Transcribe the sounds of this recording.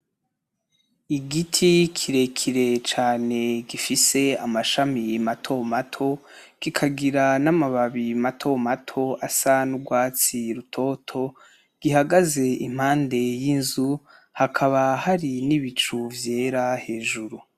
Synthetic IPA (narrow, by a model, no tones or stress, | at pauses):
iɡitʰikʰiɾe̞kʰiɾe̞t͡ʃaːne̞ɡifise̞amaʃamimatʰo̞matʰo̞ | ɡ̥ikʰaɡiɾanamaβaβimatʰo̞matʰo̞asanuɡwaːt͡siɾutʰo̞tʰo̞ | ɡ̥iɦaɡaze̞im̥haːnde̞jinzu | hakʰaβahaɾiniβit͡ʃuvje̞ːɾahe̞ːʒuɾu